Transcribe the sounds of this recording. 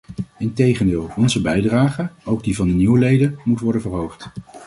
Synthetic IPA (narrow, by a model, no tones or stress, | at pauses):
ɪntejχəndɪːlˠɔnzəbɛjdraːχəowɡ̚divɑndəniwəlejdəmutʋɔɹdənvəɹɦowχt